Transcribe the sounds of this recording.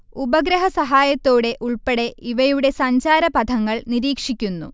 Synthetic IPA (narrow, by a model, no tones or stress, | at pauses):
ubɐɡɾɐɦɐsɐɦaːjɐt̪ːoːɽe̞ʔuɭpeɽe̞ʔiʋɐjuɽe̞sɐɲd͡ʑaːɾɐpɐd̪ʱɐŋːɐɭniɾiːkʂikʲːunːṵ